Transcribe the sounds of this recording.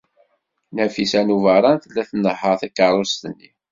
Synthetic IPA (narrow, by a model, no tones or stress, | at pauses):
næfisænuvəɾˤɑnθəlːæθnːəħəɾˤθækːəɾˤost̪ənːi